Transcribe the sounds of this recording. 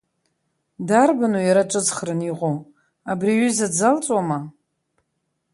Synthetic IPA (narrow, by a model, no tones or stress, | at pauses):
darbanujaɾaʈ͡ʂʼɨd͡zχrɨniqʷʼo | abriɥyzad͡zalt͡sʼwama